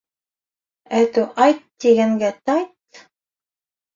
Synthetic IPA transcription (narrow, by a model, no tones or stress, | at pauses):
æt̪ʉʔɑjt̪ːiɡæŋɡæt̪ɑjt̪̚